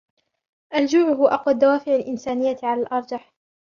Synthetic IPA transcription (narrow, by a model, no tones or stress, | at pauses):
ʔald͡ʒuːʕʊɦʊaʔɑqwad̪ːawaːfɪʕalʔɪnsaːnɪjːaʕalaːlʔɑɾˤd͡ʒɑħ